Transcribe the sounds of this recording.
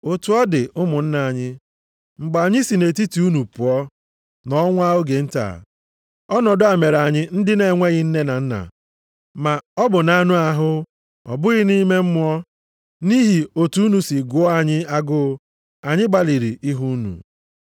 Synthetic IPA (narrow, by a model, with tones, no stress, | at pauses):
o˨tu˨˦ɔ˦dɪ˨ʊ˦mʊ˨n̩˦na˨a˨ɲɪ˦ | ŋ͡m̩˨ɡ͡ba˨ɲɪ˦si˨ne˨ti˦ti˨˦u˦nu˨pʊ˨ɔ˦ | nɔ˦ŋʷ˦a˦o˦ɡe˨n̩˦ta̰˨ | ɔ˦nɔ˨dʊ˦a˨me˨ɾa˨ɲɪ˦n̩˦dɪ˦ne˨ŋʷe˦ɣɪ˦n̩˦ne˦na˨n̩˦na̰˨ | ma˨ɔ˦bʊ˨na˨˦nʊ˦a˦ɦʊ˦ | ɔ̰˨bʊ˦ɣɪ˦ni˦me˦m̩˦mʊ˦ɔ˦ | ni˦ɦi˨o˨tu˦u˦nu˨si˨ɡʊ˨˦ɔ˦a˨ɲɪ˦a˦ɡʊ˦ | a˨ɲɪ˦ɡ͡ba˨li˨ɾi˨ʔi˦ɦu˦nṵ˨